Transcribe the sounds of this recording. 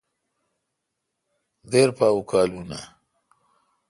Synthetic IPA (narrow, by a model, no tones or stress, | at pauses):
d̪eɾpaːwukʰaːluna̰